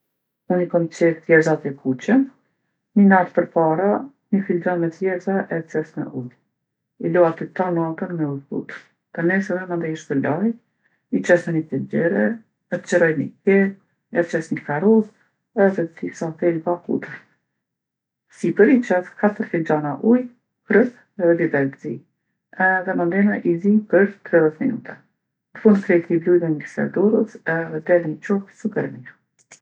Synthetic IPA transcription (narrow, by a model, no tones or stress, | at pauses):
unikɔmit͡ʃɛθjɛɾzat̪ɛkʰut͡ɕɛn | nənat̪pəɾpaɾa | nəfild͡ʒanmɛt̪jɛɾzaʔɛt͡ʃɛsmɛ̰ʔud̪i | ilɔat̪it̪anat̪ənmɛuðkṵt̪ə | t̪anɛsɛðɛmand̪ɛjiʃt̪əlaj | it͡ʃɛsɛnət̪ɛd͡ʑɛɾɛ | ət̪t͡ʃəɾɔjnikɛ | ɛt͡ʃɛsɲəfaɾuð | ɛðɛt̪isaθɛlbakṵd̪ə | sipəɾit͡ʃɛskat̪əɾfid͡ʒanaʔuj | kɾəp | ɛðɛd̪id̪ɛlzi | ɛðɛmand̪ɛnaʔizipəɾt̪ɾɛðɛt̪minṵt̪ɛ | nəfund̪kɾɛt̪iblujðɛnisɛ̰d̪ɔɾəsɛðɛd̪ɛlnit͡ʃɔhsukəɾnia